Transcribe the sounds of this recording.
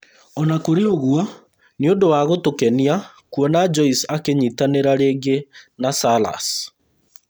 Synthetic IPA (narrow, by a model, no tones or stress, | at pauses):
ɔnakoɾeoɣwɔ | niondowaɣotokɛnia | kuɔnad͡ʒɔisakeɲitaneɾaɾeːɡenasala̰s